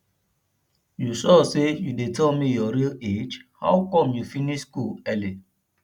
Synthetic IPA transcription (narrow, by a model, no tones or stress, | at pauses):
jusɔsejudetʰɛlmijɔɾiled͡ʒha̰wkɔ̃mjufiniʃskulɛli